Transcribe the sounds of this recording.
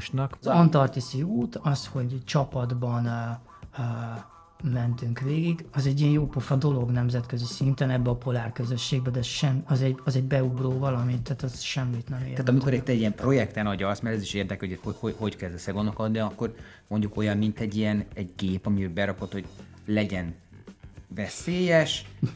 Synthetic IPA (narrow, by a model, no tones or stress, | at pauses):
ʃnɒkzɒnt̪ɒrt̪isiuːt̪ɒsho̞ɟt͡ʃɒpɒd̪bɒnː | mɛnt̪yŋkʋeːɡiɡɒzɛɟːijɛnjoːpofɒd̪o̞lo̞ɡnɛmzɛt̪køzisint̪ɛnɛbːɛɒpo̞laːrkøzø̞ʃːeːɡ̚bɛd̪ɛʃɛmɒzɛɟɒzɛɟbɛuɡroːvɒlɒmint̪ːaːt̪ɒzʃɛmːit̪nɛmḛːt̪aːt̪ɒmikoɾit̪ːɛɟiɛmpro̞jɛkt̪ɛnɒɟɒsmɛlɛzeːʃeːrd̪ɛkɛhohohoho̞ɟkɛzd̪ɛsɛɡo̞nokɒd̪nijɒkːo̞r | mo̞ɲɟuko̞jɒmːint̪ɛɟːijɛnɛɟɡeːpɒmiøbɛɾɒko̞t̪ho̞ɟlɛɟɛn | vɛseːjɛʃ